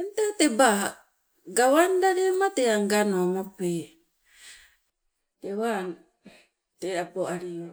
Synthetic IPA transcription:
entateba | ɡawandaɾemateaŋɡanomope | tewan | teɾapoaɾio

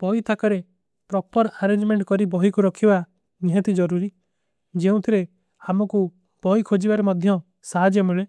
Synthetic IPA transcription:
b̥ɔit̪ʰakɔɾe | pɾɔpɔɾaɾend͡ʒmeɳʈkɔɾibɔɦikuɾɔkʰiba | niɦɛ̃t̪id͡ʒɔɾuɾi | d͡ʒeũt̪ʰiɾe | amɔku | b̥ɔikʰod͡ʒibaɾemɔd̪ʱjɔ | saɦad͡ʒɔmeɭe

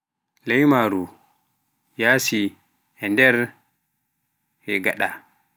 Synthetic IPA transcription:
lɛjmaɾu | jaːsi | ɛndɛɾ | hɛɡaɗa

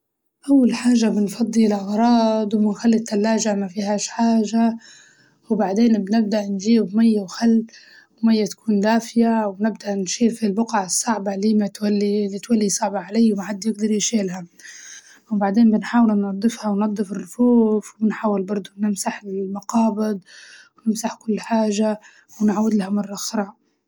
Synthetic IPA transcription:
ʔawːalħaːʒabɪnfɑd̪ˤːilʔɑɣɾˤɑːd̪ˤwmɪnxalːɪt̪ːalːaːʒamafiːhaːʃħaːʒa | wbaʕd̪eːnbnɪb̚d̪aʔnʒiːbmajːawxalː | wmajːat̪ḁkuːnd̪aːfɪjawnɪbd̪aʔnʃiːɾfilbʊqaʕsˤːɑʕbaliːmat̪walːilit̪walːisˤɑʕbɑʕalajːwmaħad̪ːjɪɡ̚d̪ɑɾˤjʃeːlha | wbaʕd̪eːnbɪnħaːwɪlnɑd̪ˤːɨfhɑwnɑd̪ˤːɨfɪrːʊfuːfwbɪnħaːwːɪlbɑɾˤd̪ˤʊnɪmsaħlmʊqɑːbɪd̪̚wnɪmsaħkʊlːħaːʒa | wnʕwɪd̪lahamɑrˤːɑxɾˤɑːʔ

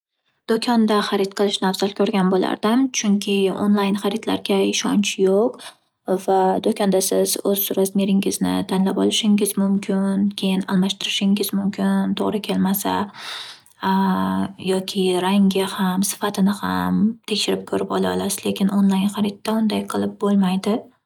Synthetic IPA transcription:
d̪̥okʲʰɒnd̪aχaɾɪt̪qʰɨlˠɪʃnafzalkʲʰɵɾɡʲanbola̰ɾd̪ɪmt͡ʃʰʊŋkʲʰɪo̰nlˠajnχaɾɪt̪la̰ɾɡʲaɪʃɒnt͡ʃjoq | vad̪okʰʲɒnd̪asɪzɵzːʊɾazmeɾɪŋɪznɪ̰t̪ʰanlapɒlˠɪʃɪŋɪzmʊmkʲʰɪnkʲʰe̞jɪnalˠmaʃt̪ɪɾɪʃɪŋɪzmʊmkʲɪnt̪ʰoʁɾɪkʲʰe̞lmasa̰ | jɒkʲʰɪɾaŋɡʲahamsɪ̥fat̪ʰɪnɪha̰mt̪ʰe̞kʲʃɪɾɪp̚kʰɵɾɪpɒlˠaɒ̰lˠasɪz̥le̞kʲʰɪnonlˠajnχaɾɪt̪̚ːaʊnd̪ajqʰɨlˠɪp̚bolˠmajd̪ɪ

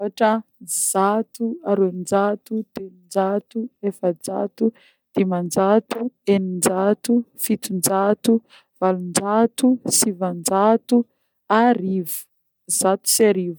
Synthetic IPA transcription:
aʈ͡ʂəz̥at̪uaɾuenid͡ʒat̪ud̪̥eind͡zat̪uefəd͡za̰t̪u | d̪̥emand͡ʒat̪uenind͡ʒat̪ufit̪und͡ʒat̪u | v̥alund͡ʒat̪usivand͡ʒat̪u | aɾivu̥ | z̥at̪u̥saɾiv

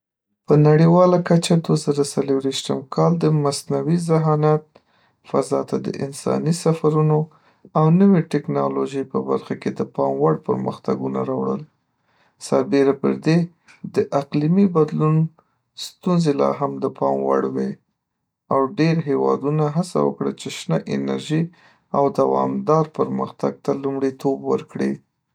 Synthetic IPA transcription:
pənaɽiwɑlakat͡ʃad̪wazəɾasaləɾiʃt̪əmkʰɑld̪əmasnawizɪɦɑnat̪̚ | fazɑt̪ad̪ə̰ʔɪ̰nsɑ̰nisafaɾuno | awnəweʈɪknɑloʒəjpəba̰ɾxaked̪əpɑmwaɽpə̰ɾmə̰xt̪aɡuna̰ɾɑwɽə̰l | saɾbeɾapə̰ɾd̪e | d̪əʔaqlimibad̪lun | st̪unzelɑ̰ɦamd̪əpʰɑmwa̰ɽwe | awɖeɾɦewɑ̰d̪unaɦasa̰wə̰kɽə̰t͡ʃeʃnəʔɪnaɾʒi | awd̪awɑ̰md̪ɑɾpəɾməxt̪aɡ̚t̪alumɽit̪obwəɾkɽi

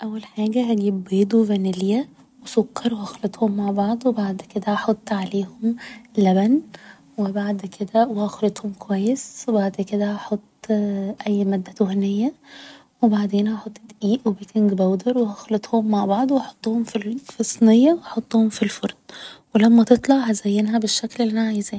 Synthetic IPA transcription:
ʔæwːælħaːɡæhæɡiːbːeːd̪ˤuvænɪljæ | wɪsʊkːɑɾˤwhæxlɑt̪ˤhʊmːaʕbɑʕd̪ˤwɪbaʕd̪kɪd̪æʔɑħɑt̪ˤːʕaleːhʊmlæbæn | wɪbaʕd̪kʰɪd̪æwhæxɾɪt̪ˤhʊmkwæjːɪswɪbaʕd̪kɪd̪æʔɑħot̪ˤːʔæjːmæːd̪ːat̪ʊhnɪjːa | wɪbaʕd̪eːnʔɑħɑt̪ˤːt̪ʔiːʔwɪbikɪŋɡbawd̪ɑɾˤwɪhaxlɑt̪ˤhʊmːaʕbɑʕd̪ˤwʔɑħo̥t̪ˤːuhʊmfilfisˤːnɪjːawɑħot̪ˤːuhʊmfilfʊɾˤd̪wɪlamːæt̪ɨt̪ˤlɑʕhazajːɪnɦabɪʃːaklɪlʔanaʕajzːn

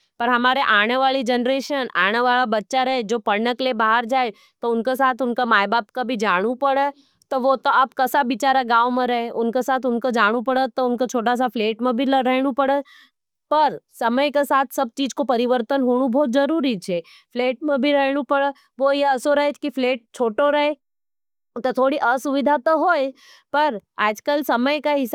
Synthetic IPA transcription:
pɐɾɦɐmaːɾeʔaːɽ̃eʋaːlid͡ʒənɾeːʃəna̰ːɽ̃eʋaːɭabɐtːʃaɾɐɦed͡ʒoːpɐɾnəklebaːɦəɾd͡ʒaːe | t̪oʊnkesaːt̪ʰʊnkamaːjbaːpkabʱid͡ʒaːɽ̃ũpɐɽə | t̪oʋot̪oɐb̚kɐsabit͡ʃaːɾaɡaːwmẽɾɐɦeʔʊnkesaːt̪ʰʊnkod͡ʒaːɽ̃upɐɽət̪ːoʊnkat͡ʃʰoːʈas̬afleːʈmẽbʱilɾɛɦɽ̃ũpɐɽə | pɐɾsɐməjkesaːt̪ʰsɐb̚t͡ʃiːd͡ʒkopɐɾɪʋəɾt̪ənɦoːɽ̃ubʱɔːt̪̚d͡ʒɐɾuːɾit͡ʃʰeː | fʰleːʈ̚mẽbʱiɾɛɦɽ̃ũpɐɽə | ʋojeɐsoɾɐɦet͡ʃkifʰleːʈ̚t͡ʃʰoːʈoɾɐɦe | t̪ot̪ʰoːɽiʔɐsʊʋɪd̪ʱat̪oɦoːe | pɐɾaːd͡ʒkəlsɐməjkaɦɪs

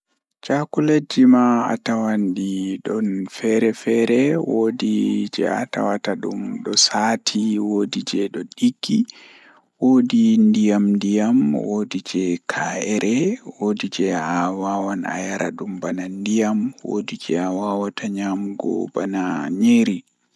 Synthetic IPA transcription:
t͡ʃakuled͡ʒimaa̰tawandiɗɔnfɛɾɛfɛɾɛwodid͡ʒɛ̰a̰ta̰wataɗumɗɔsaːtʰiwodid͡ʒɛɗɔɗiɡːi | wodindijamndijamwodid͡ʒɛkʰaɛɾʔɛwodid͡ʒɛawawana̰jaɾʔaɗumbanandijamwo̰did͡ʒɛawawatʰaɲamɡɔ̰banaɲeɾi

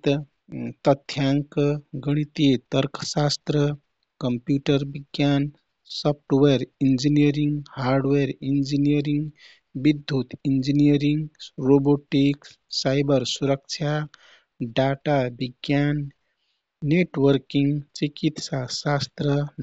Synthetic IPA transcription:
t̪ | t̪ət̪ʰːjaŋkɡəɽ̃it̪it̪əɾkʰsast̪ɾə | kəmpjuʈəɾbiɡjan | sɔp̚ʰʈweɾind͡ʒinijəɾiŋɡhaɾɖweɾind͡ʒinijəɾiŋɡ | bid̪ʱːut̪ind͡ʒinijəɾiŋɡɾoboʈik | sajbəɾsuɾək̚t͡ʃʰa | ɖaʈabiɡjanː | eʈwəɾkiŋɡt͡ʃikit̪sasast̪ɾə

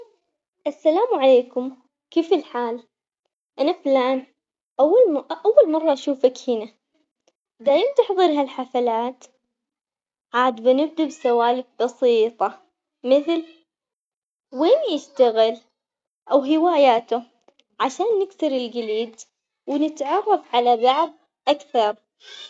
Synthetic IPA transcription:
ʔasːalaːmʕaleːkʊm | keːfɪlħaːl | ʔanaflaːn | ʔawːalʔawːalmɑrˤːɑʔaʃuːfakhɪna | d̪aːjɪmt̪ɪħðˤɨɾɦalħafalaːt̪ | ʕaːd̪banɪb̚d̪absawaːlɪk̚bɑsiːt̪ˤɑ | mɪθl | weːnjɪʃt̪aɣɪl | ʔawɦɪwaːjaːt̪ʊ | ʕaʃaːnːɪksɪɾɪlɡɪliːd̪ | wnɪt̪ʕɑrˤːɑfʕalabaʕd̪̚ | ʔakθɑɾˤ

